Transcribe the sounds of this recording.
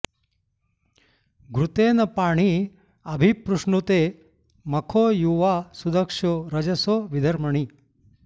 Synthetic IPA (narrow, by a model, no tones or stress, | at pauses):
ɡɾut̪eːnɐpaːɳi | ɐbʱipɾuʂɳut̪eː | mɐkʰoːjuːʋaːsud̪ɐkʂoɾɐd͡ʒɐsoːʋid̪ɐɾmɐɳ̃i